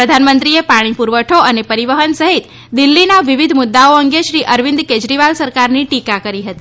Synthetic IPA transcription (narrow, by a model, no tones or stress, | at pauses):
ɾəd̪ʱanmənt̪ɾiepaɽ̃ipuɾʋəʈʰoənepəɾiʋəɦənsəɦit̪ | d̪ɪlːinaʋɪʋid̪ʱmʊd̪ːaoəŋɡeʃɾiʔəɾʋɪ̃nd̪ked͡ʒɾiʋalsəɾkaɾniʈikakəɾiɦət̪i